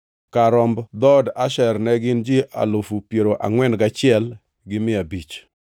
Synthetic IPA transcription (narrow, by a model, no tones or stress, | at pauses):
kaɾɔmbd̪ɔdaʃɛrnɛɡɪnd͡ʒɪʔa̰lofupjeɾoʔa̰ŋwɛnɡat͡ʃɪɛl | ɡɪmɪabit͡ʃ